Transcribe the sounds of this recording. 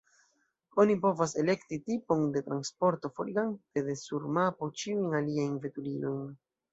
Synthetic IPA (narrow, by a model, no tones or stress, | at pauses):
o̞nipo̞vase̞le̞ktitipo̞nde̞tɾanspo̞ɾto̞foliɡantede̞suɾmapot͡ʃiujnaliajnve̞tulilo̞jn